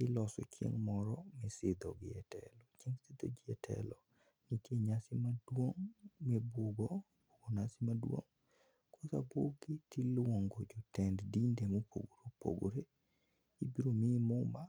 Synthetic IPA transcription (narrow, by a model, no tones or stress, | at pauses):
ɪlɔsɔ̰t͡ʃjḛŋmɔɾɔmɛsɪd̪ɔ̰ɡɪɛtʰɛ̰lɔt͡ʃeŋsɪd̪od͡ʒɪɛtʰɛ̰lɔ | niteɲasɪmadwoŋmɛboɡo | boɡonasɪmadwo̰ŋ | kosaboɡɪtilwoŋɡod͡ʒɔtɛnddindemopʰo̰ɡoɾopo̰ɡo̰ɾe | ibiɾomɪmʊmba